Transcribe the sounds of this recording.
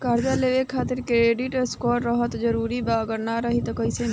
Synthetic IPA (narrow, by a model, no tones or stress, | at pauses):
kaɾd͡ʒaleʋekʰaːt̪iɾkɾeɖiʈeskɔɾɾəɦət̪d͡ʒəɾuɾibaɡəɾnaɾəɦit̪kəjse